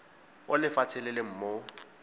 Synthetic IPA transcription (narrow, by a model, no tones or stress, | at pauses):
ʊlɪfatʰɛlɛlem̩ːmo